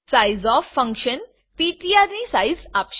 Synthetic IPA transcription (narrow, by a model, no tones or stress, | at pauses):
sajzɔffːə̃ŋkɕən | piʈiaɾnisajzapʃ